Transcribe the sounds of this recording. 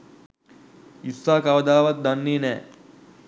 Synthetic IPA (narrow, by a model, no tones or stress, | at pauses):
isːaːkaʋəd̪aːʋat̪̚d̪anːeːnɛː